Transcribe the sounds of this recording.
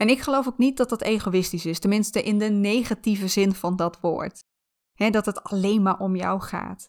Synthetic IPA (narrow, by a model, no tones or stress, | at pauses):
ɛnɪkχəlowfoknit̚dɑtdɑtejχowɪstisɪstɛnmɪnstəʔɪndənejχativəzɪnv̥ɑndɑtʋʊ̰ːɹt | ɦɛdɑtɦətɑlejnmaːɹʔɔmjɔ̰wχa̰ːt